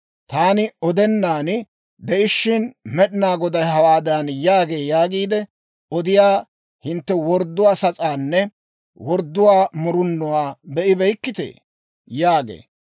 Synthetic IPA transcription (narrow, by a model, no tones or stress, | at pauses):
t̪aːnɪɔd̪ɛnːaːn | d̪ɛʔɪʃːɪnmɛɗɪnaːɡɔd̪ɐjɦɐwaːd̪anjaːɡe̞ːjaːɡiːd̪ɛ | ɔd̪ɪjaː | hɪnt̪ːɛwɔɾd̪ːʊwaːsɐt͡sʼaːnːɛ | wɔɾd̪ːʊwaːmʊɾʊnːɔwaːbɛʔɪbɛjkːɪt̪ḛː | jaːɡḛː